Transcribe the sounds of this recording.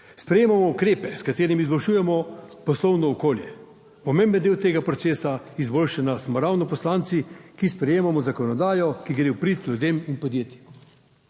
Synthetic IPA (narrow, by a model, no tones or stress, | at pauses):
spɾɛjeːmamɔukɾeːpɛskat̪eːɾimizbɔlʃuːjɛmɔpɔslɔwnɔɔkoːljɛ | pɔmẽmbənd̪eːwt̪eːɡapɾɔt̪seːsa | izboːlʃanasmɔɾawnɔpɔslant̪sikispɾɛjeːmamɔzakɔnɔd̪aːjɔkiɡɾewpɾit̪lʲud̪eːminpɔd̪jeːt̪im